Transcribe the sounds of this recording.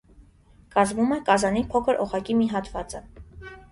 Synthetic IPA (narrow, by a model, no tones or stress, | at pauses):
kɑzmumɛkɑzɑnipʰɔkʰəɾʔɔʁɑkimiɦɑt̪vɑt͡sə